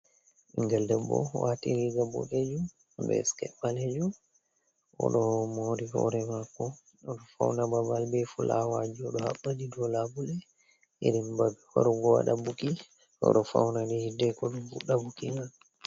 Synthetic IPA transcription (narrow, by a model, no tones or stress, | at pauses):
ʔiŋɡaldɛbɔ̰watiɾiɡabɔ̰ked͡ʒu | bɛ̰skɛpːaled͡ʒu | ʔɔ̰ɗɔmoɾihɔ̰ɾɛmakːɔ | ɔɗɔfa̰wnababalbɛfulʔa̰wad͡ʒiɔɗɔha̰ɓːadidɔlabulɛ | ḭɾimbab | ɔ̰ɾɔɡɔwa̰ɗabuki | ɔ̰ɗɔfa̰wnaɗɛhidːɛkɔɗumfuɗabukiŋal